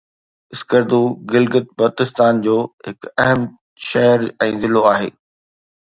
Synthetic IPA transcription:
ɪskəɾd̪uɡɪlɡət̪̚bɐt̪ɪst̪aːnd͡ʑoːɦɪkɐɦəm | ʃɛɦəɾɛ̃ːzɪloaːɦḛː

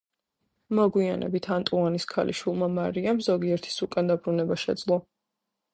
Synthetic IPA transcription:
mɔɡwia̰nɛ̰bit̪ʰant̪ʼuaniskʰalḭʃwilˠmamaɾiamzɔɡiɛɾt̪ʰi̥sukʼand̪abɾunɛbaʃɛ̰d̪zlˠɔ

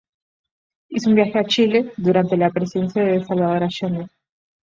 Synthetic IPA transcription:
isoumbjaxeat͡ʃile̞ðuɾant̪e̞lapɾesiðe̞nsjaðeesalβaðo̞ɾaʃend̪e

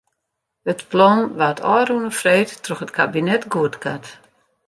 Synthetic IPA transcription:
ətplɔnʋatʰɔːrunəfreːtːrɔxətkʰabinɛtɡuətkʰat

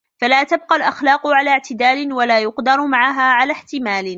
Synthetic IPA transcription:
falaːt̪ab̚qɑlʔaxlaːqʊʕalaːʕt̪ɪd̪aːlɪwalaːjʊqd̪ɑɾˤmaʕaɦaːʕalaːħt̪ɪmaːl

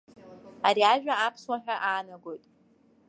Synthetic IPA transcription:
aɾiaʒᶣaapʰswaħᶣaʔaːnaɡo̞jtʼ

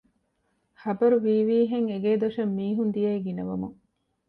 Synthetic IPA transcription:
χɐbɐɾuʋiːʋiːɦeŋeɡeːd̪oʃɐmːiːɦund̪ijɐiɡinɐʋɐmuŋ

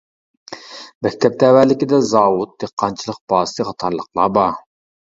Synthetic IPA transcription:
mɛk̚ʲt̪ʰɛp̚t̪ɛwælɪkʲid̪ɛzɑːwut̪̚d̪eqːɑnt͡ʃʰilˠəq̚b̥ɑːst̪ɨχɑt̪ʰɑɾlˠəqlˠɑ̰bɑ

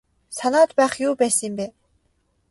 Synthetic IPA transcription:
sanaːt̪pæːχjuːpæːsimbe

